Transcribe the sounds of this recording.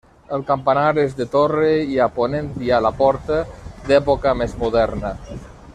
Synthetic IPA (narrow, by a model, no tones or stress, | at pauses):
əlˠkampanaɾezd̪ət̪oreiaponent̪ialapɔɾt̪əd̪ɛpokəmezmuðɛɾnə